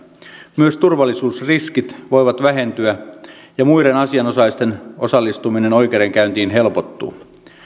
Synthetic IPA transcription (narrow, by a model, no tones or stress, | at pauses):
myøst̪urʋɑlːisuːsriskit̪ʋo̞jʋɑt̪ʋæɦe̞nt̪yæ | jɑmujɾe̞nɑsiɑnosɑist̪e̞no̞sɑlːist̪umine̞nojkeːɾeŋkæynt̪iːnɦe̞lpot̪ːṵː